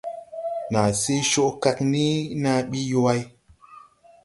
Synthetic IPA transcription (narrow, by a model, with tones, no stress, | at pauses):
na˨se˦ʃo˦ʔka˧kni˦na˧ɓi˦jo˦wa˦j